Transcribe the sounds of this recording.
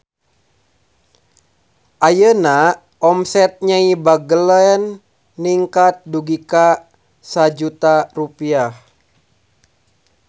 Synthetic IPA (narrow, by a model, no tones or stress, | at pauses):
ʔajəna | ʔɔmsɛt̪̚ɲaibaɡəlɛnː | iŋkat̪̚duɡika | sad͡ʒut̪arupiah